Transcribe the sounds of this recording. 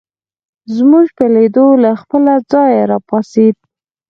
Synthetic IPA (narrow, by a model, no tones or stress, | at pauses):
zmuʒpeled̪olaxpəlad͡zɑjaɾɑpɑsed̪̚